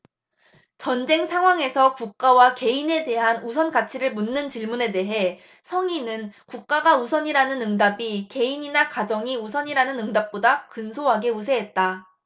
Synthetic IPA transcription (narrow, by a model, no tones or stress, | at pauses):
t͡ɕʌnd͡ʑe̞ŋsʰaŋɦwaŋe̞sʰʌkuk̚k͈awake̞ine̞de̞ɦanusʰʌnɡat͡ɕʰiɾɯɭmunːɯnt͡ɕiɭmune̞de̞ɦe̞ | sʰʌŋinɯnkuk̚k͈aɡausʰʌɲiɾanɯnɯŋdabike̞iɲinakad͡ʑʌŋiusʰʌɲiɾanɯnɯŋdap̚p͈odakɯnsʰoɦaɡe̞usʰe̞ɦet̚t͈a